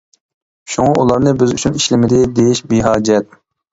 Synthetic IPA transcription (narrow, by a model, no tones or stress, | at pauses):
ʃuŋɑʔulˠɑɾnɨbɪzyt͡ʃʰyniʃlɪmɪd̪ɪd̪ejiʃbiɦɑːd͡ʒɛt̪̚